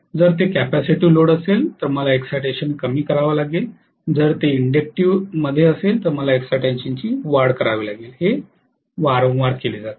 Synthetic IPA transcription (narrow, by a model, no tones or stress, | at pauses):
d͡zəɾt̪ekæpæsiʈiːloɽəselt̪əɾməlaeksajʈeɕənkəmiːkəɾaʋalaɡel | d͡zəɾt̪eiɳɖek̚ʈiʋməd̪ʱːjeəselt̪əɾməlaeksaʈẽɲɕəɲt͡ɕiːʋaɾɽkəɾaʋiːlaɡeːlhe | ʋaɾõŋʋaɾkeliːd͡zat̪